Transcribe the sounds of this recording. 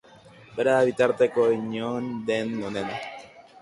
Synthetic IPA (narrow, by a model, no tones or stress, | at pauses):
beɾaːβit̪aɾt̪ekoiɲond̪enmonena